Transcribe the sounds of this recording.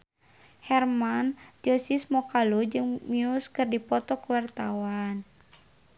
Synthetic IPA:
hɛrmand͡ʒɔsismɔkalud͡ʒɨŋmiuskɨrdipɔt̪ɔkuwart̪awan

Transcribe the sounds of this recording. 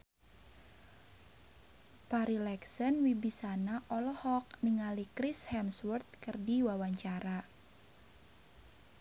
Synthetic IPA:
paɾilɛksənwibisanaʔɔlɔhɔk̚niŋalikɾishɛmswɔrt̪̚kɨrdiwawaɲt͡ʃaɾa

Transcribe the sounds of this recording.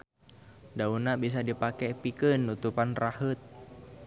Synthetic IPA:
daunabis̬adipakɛpikənːut̪upanrahət̪̚

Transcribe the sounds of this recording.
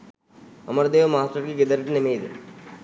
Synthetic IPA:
əməɾd̪eːʋmaːsʈəɾkiɡɪd̪əɾʈnemiːd̪

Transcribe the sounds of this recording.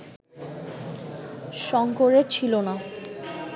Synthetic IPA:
ʃɔŋkoɾet͡ɕʰilona

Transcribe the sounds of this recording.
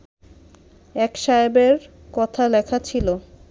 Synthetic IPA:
ɛkʃajbeɾ | kɔt̪ʰalɛkʰat͡ɕʰilo

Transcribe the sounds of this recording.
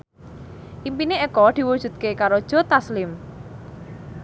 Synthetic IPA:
ʔimpineɛkɔd̪̥i̤wud̥ʒ̥ṳd̪̚kekaɾod̥ʒ̥ɔ̤t̪aslɪm

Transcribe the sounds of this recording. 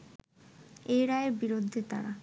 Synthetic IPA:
ejɾaeɾbiɾod̪ʱːet̪a̰ɾa

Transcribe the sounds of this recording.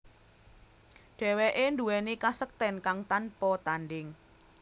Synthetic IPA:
ɖ̥ɛ̤weʔend̪uɛnikasək̚t̪ɛnkaŋt̪anpɔt̪anɖɪŋ

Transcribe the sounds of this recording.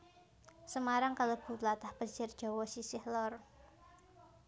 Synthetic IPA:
səmaɾaŋkalob̥ṳlat̪ahpət͡ʃɪrd̥ʒ̥ɔ̤wɔsisɪhlɔr

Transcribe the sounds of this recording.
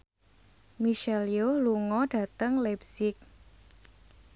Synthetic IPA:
miʃɛlioluŋɔɖ̥ä̤t̪əŋlɛpsɪk̚

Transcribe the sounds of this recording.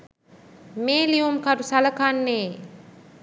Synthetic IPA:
meːliumkaɾusaləkanːeː

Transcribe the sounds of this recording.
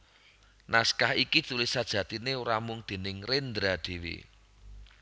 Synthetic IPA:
naskahikid̥t͡ʃulɪsad̥ʒ̥ä̤t̪ineuɾamʊŋd̪̥e̤nɪŋrend̪ɾad̪̥e̤wḭ

